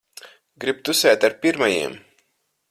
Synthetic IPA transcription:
ɡɾib̚t̪usɛːt̪aɾpiɾmajḭɛm

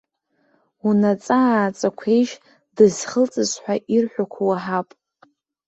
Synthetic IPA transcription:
unat͡sʼaːt͡sʼakʷʰejʃ | dɨzχəlt͡sʼɨzħʷᶣaʔirħʷᶣakʷʰawaħapʼ

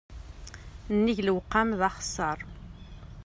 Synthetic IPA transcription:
nːiʝləwqːamðɑχsːəɾˤ

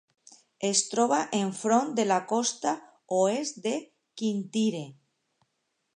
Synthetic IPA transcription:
est̪ɾoβ̞aʔeɱfɾond̪elakost̪a | oezde | kint̪iɾe

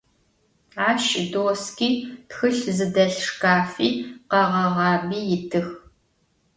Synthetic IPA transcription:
aːʃdoːskiːtxɨɬzɨdɐɬʂkaːfiːqɐʁɐʁɑːbiːjɪtʰɨx

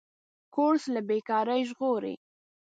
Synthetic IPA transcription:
koɾslabekɑɾəjʒɣoɾḛ

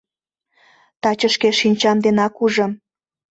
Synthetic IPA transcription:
t̪ɑt͡ɕəʃkeʃinʲt͡ɕɑmd̪enɑkuʒɤ̆m

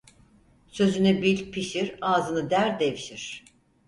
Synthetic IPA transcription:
sø̞zynɛbilʲpʰiʃiɾaːzɯnɯd̪æɾd̪evʃiɾ̥

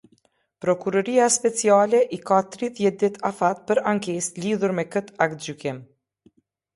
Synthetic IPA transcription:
pɾɔkuɾɔɾiaspɛt͡sialɛʔikat̪ɾiðjɛt̪̚d̪it̪ʰafat̪̚pəɾaŋkɛsliðuɾmɛkət̪ak̚t̪̚d͡ʒykɪm

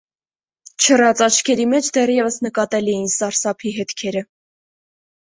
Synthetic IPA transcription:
t͡ʃʰərɑt͡sɑt͡ʃʰkʰɛɾimɛt͡ʃʰd̪ɛrjɛvəsnəkɑt̪ɛliɛjinsɑɾsɑpʰiɦɛt̪kʰɛɾə

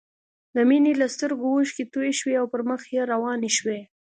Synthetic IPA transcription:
d̪əminelast̪əɾɡowuʃket̪ujeʃweawpəɾməxjeɾawɑneʃwe

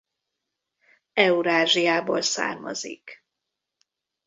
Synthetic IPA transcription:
ɛuɾaːʒijaːbo̰ːlsa̰ːrmɒ̰zḭk

